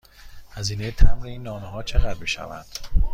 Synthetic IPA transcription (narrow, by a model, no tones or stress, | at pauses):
hæziːnejet̪ʰæmɾeiːnːɒːmeɦɒːt͡ʃʰe̞ɣæd̪miːʃæ̰væ̰nd̪̥